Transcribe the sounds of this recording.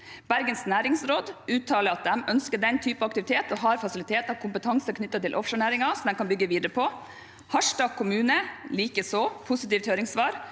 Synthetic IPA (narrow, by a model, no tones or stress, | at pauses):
b̥æɾɡənsnæːɾɪŋsɾoːd̪ʉːt̪ʰːɑːləɾɑt̪̚d̪ɛmʔœnskəɖɛnt̪ʰyːpəɑkt̪ɪʋɪt̪ʰeːt̪ɔɦɑːɾfɑsɪlɪt̪ʰeːt̪ɑʋkʰʊmpət̪ʰɑŋsəkʰnʏt̪ːət̪ɪlʔɔfʂəːɳæːɾɪŋɑsɔmd̪ɛnkʰɑnbʏɡːəʋiːd̪əɾəpʰɔ | hɑʂʈɑːkʰːʊmʉːnəliːkəsoːpʰʊsɪt̪iːft̪høːɾɪŋsʋɑːɾ